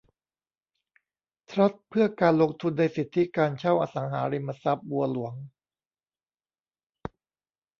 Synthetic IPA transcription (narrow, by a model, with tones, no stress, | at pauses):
t̪ʰɾa˦˥t̪̚pʰɯ˥˩ɐkaː˧nlo˧ŋt̪ʰu˧nːa˧jsi˨˩t̪ʰːi˦˥kaː˧nt͡ɕʰa˥˩wʔaː˧sa˩˦ŋɦaː˩˦ɾi˧mːa˧sa˦˥p̚bu˧ɐlu˩˦əŋ